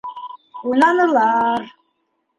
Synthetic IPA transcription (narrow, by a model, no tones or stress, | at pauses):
unɑnɤlˠɑɾ